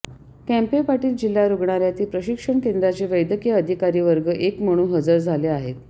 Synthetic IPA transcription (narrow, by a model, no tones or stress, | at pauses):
kæ̃mpepaʈiːld͡ʑil̤ːaɾuɡɳaɾjat̪iːpɾəɕikʂəɳkend̪ɾat͡ɕeʋəjd̪əkijəəd̪ʱikaɾiːʋəɾɡəʔekm̤əɽ̃uːɦəd͡zəɾd͡zʱaleaɦet̪̚